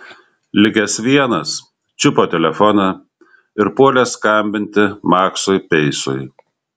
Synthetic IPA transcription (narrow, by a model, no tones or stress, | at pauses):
lʲɪɡʲɛsʋʲiɛnɐs | t͡ʃʲʊpoːt̪ʲɛlʲɛfɔnɑ | ɪɾpuɔlʲɛskɐmʲbʲɪnʲt̪ʲɪmɑːksujpʲɛɪsʊj